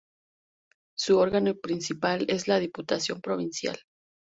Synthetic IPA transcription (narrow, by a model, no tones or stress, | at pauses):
suoɾɣanopɾinsipale̞zlaðiput̪asjo̞mpɾo̞β̞insja̰l